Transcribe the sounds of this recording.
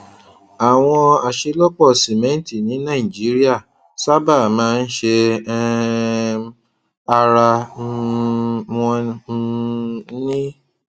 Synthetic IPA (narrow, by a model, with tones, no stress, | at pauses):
a˨w̃ɔ̃˧a˨ʃe˧lo˦k͡pɔ˦˨si˨mɛ̃˨˦ti˦˨nĩ˨˦nã˦˨i˨d͡ʒi˨˦ɾi˦a˦˨ | sa˦ba˦˨mãː˦˧n̩˦ʃe˧˦ | a˧ɾa˧ | ɔ̃˧˦ | nĩ˦